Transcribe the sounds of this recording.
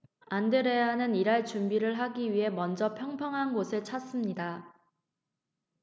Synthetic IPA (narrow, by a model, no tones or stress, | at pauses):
andɯɾe̞ɦanɯniɾaɭt͡ɕumbiɾɯɭɦaɡiɥiɦe̞mʌnd͡ʑʌpʰjʌŋpʰjʌŋɦanɡosʰɯɭt͡ɕʰas͈ɯmɲida